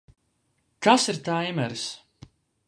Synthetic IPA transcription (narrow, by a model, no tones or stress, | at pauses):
kasiɾt̪ajmɛɾs